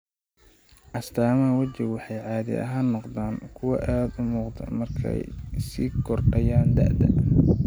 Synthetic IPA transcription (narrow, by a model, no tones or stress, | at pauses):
ʔɐst̪ʰaːmɐwɐt͡ʃɪwɑħɑjʕɑːðɪ̰ʔɐ̰ɦaːnːɔqd̪aːŋkʰʊwɑʔaːd̪ʊmuːqd̪ɐ̰mɐrkʰɛ̰jsḭːɡʰɔrɖɐjaːnd̪ɐ̰ʔd̪ɐ̰